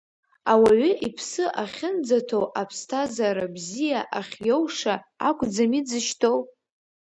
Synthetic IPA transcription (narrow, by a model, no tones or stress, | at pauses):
awaɥʏipʰsɨʔaχʲɪnd͡zatʰowʔapʰstʰazaɾabzijaʔaχʲjowʂaa̰kʷʰʼd͡zamid͡zɨʃtʰow